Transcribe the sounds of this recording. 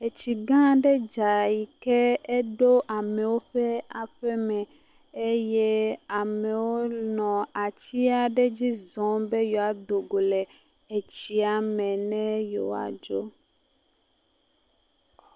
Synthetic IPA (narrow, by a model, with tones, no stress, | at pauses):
e˨t͡ɕi˨ɡã˦ɖe˦d͡ʒa˨i˨kɛ˦e˦ɖo˦ʔa˨mɛ̃˨wo˦ɸɛ˦a˨ɸɛ˦mɛ̃˨ | e˦je˦a˨mɛ̃˨wo˦nɔ̃˨a˨t͡ɕi˦a˨ɖe˦d͡ʑi˦zɔ̃˨be˦jɔ˨a˨d̪o˨ɡo˨le˨ | e˨t͡ɕi˦a˨mɛ̃˨nɛ̃˦jo̰˨a̰˨d͡ʒo˦